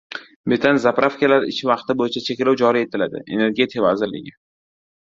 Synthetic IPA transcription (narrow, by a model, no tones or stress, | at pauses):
met̪ʰanzapɾʔafkʲalaɾɪ̰ʃʰɪvɑqt̪ɪbojɪt͡ʃʰat͡ʃʰe̞kʲlawd͡ʒɒɾie̞t̪ʰɪlad̪ɪ̰e̞̰ne̞ɾɡʲe̞t̪ʰɪikʰavazɪɾlɪ̰ɡʲɪ